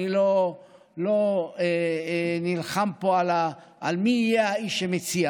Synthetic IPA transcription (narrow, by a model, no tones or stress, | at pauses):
ilo | loenilχampoala | ʔalmijeaiʃemet͡sia